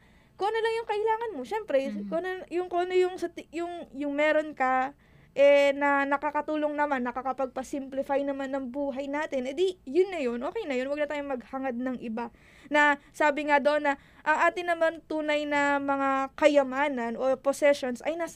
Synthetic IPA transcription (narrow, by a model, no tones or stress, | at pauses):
koʔɐnɐlɐŋjʊŋkɐʔɪlaːŋɐnmo̞ʃɛmpɾɛkoʔɐnojʊŋkoʔɐnojʊŋsɐt̪ɪjʊŋjʊŋmɛːɾo̞nkɐ | ʔɛnɐnɐkakɐt̪uːlo̞ŋnɐmanːɐkɐkɐpɐɡ̚pɐsɪmplɪfajnɐmanːɐŋbuːɦɐjnaːt̪ɪnʔɛd̪ijʊnːɐjo̞nʔoːkɛjnɐjonwɐɡ̚nɐt̪aːjoŋmɐɡ̚haŋɐd̪̚nɐŋʔɪba | nɐsaːbɪŋad̪oʔonːɐ | ʔɐŋʔaːt̪ɪnɐmant̪uːnɐjnɐmɐŋakɐjɐmaːnɐnʔo̞posɛʃo̞nsɐjnas